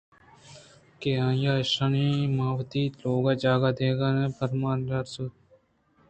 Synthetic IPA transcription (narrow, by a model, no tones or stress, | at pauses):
keːãːjaːʃɐniːmaːʋt̪iːt̪loːɡaːd͡ʒaːɡaːd̪eːɡaːnẽːpɐɾmaːnɐɾsut̪̚